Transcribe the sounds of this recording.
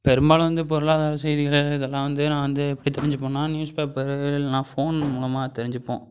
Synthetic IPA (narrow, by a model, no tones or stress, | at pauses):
pɛɾɯmbaːɭʋɐnd̪ɯp̬ɔɾɯɭaːðaːɾɐsɛjðɪɣɐɭɪðɛlːãːʋɐnd̪ɯnãːʋɐnd̪ɯɛpːɐɽit̪ɛɾɪɲd͡ʒɯp̬ːõːnːaːnjuːspeːpɐɾnãːfoːnmuːɭɐmaːt̪ɛɾɪɲd͡ʒɪpːõ̰ː